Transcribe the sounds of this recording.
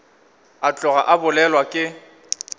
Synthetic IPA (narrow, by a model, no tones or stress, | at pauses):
at͡ɬʼɔɣaʔabʊlɛlwakʼɪ